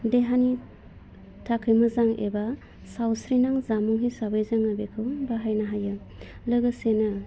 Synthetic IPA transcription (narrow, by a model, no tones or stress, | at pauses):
deɦani | tʰakʰɯjmɯzaŋḛba | sawsɾinaŋzamuŋɦijsabajzaŋabekʰɯwbaɦajnaɦajɯ | lɯɡɯsenɯ